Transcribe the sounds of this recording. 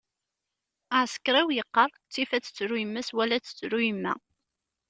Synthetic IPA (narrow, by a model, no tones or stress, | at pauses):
aʕskɾæwjəqːɑrˤt͡sːifæt͡sːə̥t͡sːɾujəmːæswælːæt͡sːə̥t͡sːɾujəmːæ̰